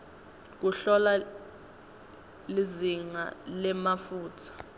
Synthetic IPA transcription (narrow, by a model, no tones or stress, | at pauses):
k̬uɬɔla | liziŋa̰lɛmafuːtʰḁ